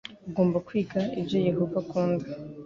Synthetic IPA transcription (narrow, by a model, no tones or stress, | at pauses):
uɡo̞ːmbakwiːɡaibjo̞je̞ɦovakuːndi